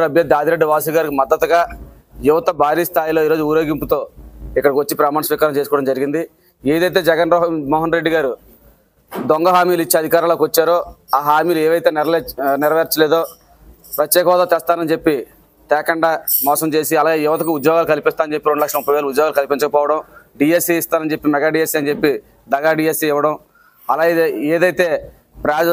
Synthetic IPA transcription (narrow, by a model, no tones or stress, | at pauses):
ɾɐbʱjɐd̪ːaːd̪iɾeɖːuʋaːs̬uɡaːɾikimɐd̪ːɐt̪ɐɡaː | juʋɐt̪ɐbʱaːɾiːst̪ʰaːjlo̞ːiːɾoːd͡ʒuuɾjoːɡimput̪o̞ːikːɐɽɐkʋɐt͡ʃːipɾɐmaːnɐsʋiːkaːɾɐmt͡ʃeːsukɔːɽɐmd͡ʒɐɾiɡind̪i | eːd̪ɐjt̪e̞ːd͡ʒɛɡɐnmɔːɦɐnɾe̞ɖːiɡaːɾu | d̪ɔŋɡɐɦaːmiːluit͡ʃːiɐd̪ʱikaːɾɐmloːkʋɐt͡ʃːaːɾo̞ːaːɦaːmiːlueːʋɐjt̪e̞ːnɾnɪɾɐʋeːɾt͡ʃɐleːd̪o̞ː | pɾɐt̪jɛːkɐʋaːd̪ɐt̪ɛːst̪aːnɐnt͡ʃepːi | t̪ɛːkɐɳɖaːmɔːsɐmt͡ʃe̞ːsiɐlaːɡeːɪʋɐt̪ɐkuud̪jɔːɡaːlukɐlipist̪aːɐnt͡ʃepːiɾo̞ɳɖulɐkʂɐmupːɐjʋeːlɐud̪jɔːɡalkɐlipinɲt͡ʃɐkɐpɔːʋɐɽɐmɖijesiist̪aːnɐnt͡ʃe̞pːimɛɡaːɖijesiɐnt͡ʃe̞pːi | d̪ɐɡaːɖiːjesiɪʋɐɽɐm | ɐlaːɡeːd̪ɐjt̪e̞ː | pɾaːd͡ʒ